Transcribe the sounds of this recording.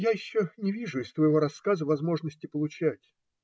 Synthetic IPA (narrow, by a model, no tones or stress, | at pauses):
jajɪɕːonʲɪvʲiʐʊɪst̪vəjɪvo̞ɾɐsːkazəvɐzmo̞ʐnəsʲtʲɪpəlˠʊt͡ɕætʲ